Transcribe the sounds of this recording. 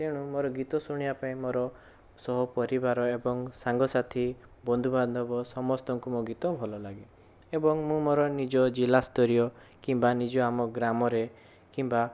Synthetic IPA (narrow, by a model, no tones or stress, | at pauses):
t̪eɽ̃ũmɔɾɔɡit̪ɔsuɽ̃iapaĩmɔɾɔ | sɔɦɔpɔɾibaɾɔebɔŋsaŋɡɔsat̪ʰi | bɔnd̪ʱuband̪ʱɔbɔsɔmɔst̪ɔŋkumoɡit̪ɔbʱɔlɔlaɡi | ebɔŋmũmɔɾɔnid͡ʒɔd͡ʒilast̪ɔɾijɔ | kimbanid͡ʒɔamɔɡɾamɔɾe | kimba